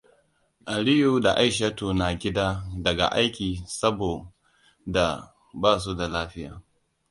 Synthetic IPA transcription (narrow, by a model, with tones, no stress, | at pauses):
ʔa˨lɪ˦ju˨da˨ʔa˦jʃa˦toː˨na˨ɡʲɪ˦daː˦dɐ˨ɡa̰˨ʔa˦jkʲiː˨sɐ˦boː˨ | da˨ | baː˦˨s̬u˦da˨laː˦ɸɪ˦ja̰ː˨